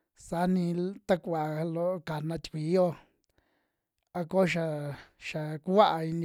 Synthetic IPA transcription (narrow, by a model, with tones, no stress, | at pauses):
sa˧˦nĩ˧t̪a˦kʷa˨lo˦ka˨nã˧t̪ʲkʷi˨˦o˦ | a˧ko˦ʃa˧ʃa˨ku˦wa˦ʔa˧i˧n˧